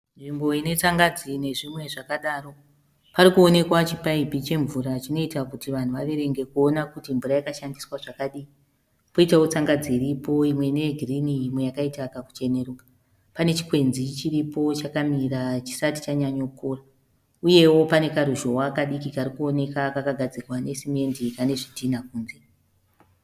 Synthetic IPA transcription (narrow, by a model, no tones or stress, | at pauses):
nʐimbo̞ine̞t͡saŋɡad͡zine̞ʐimwe̞ʐakaɗaːro̞ | paɾikuone̞kwat͡ʃipaibʱit͡ʃe̞ɱvuɾat͡ʃino̞itakutiʋan̤uʋaʋe̞ɾe̞ŋɡe̞kuo̞nakutimvuɾajakaʃandiswaʐakaɗii | poitawot͡saŋɡad͡ziːɾipo̞imwe̞ne̞ɡʱirinijimwe̞jakaitakaku̥t͡ʃe̞ne̞ruːka | pane̞t͡ʃi̥kwe̞nzit͡ʃiɾipo̞t͡ʃakamiɾat͡ʃi̥sati̥t͡ʃaɲaɲokora | uje̞wo̞pane̞kaɾuʒo̞wakaɗikikaɾikuo̞ne̞kakakaɡʱad͡zirwane̞sime̞ndikane̞ʐidinakuːnze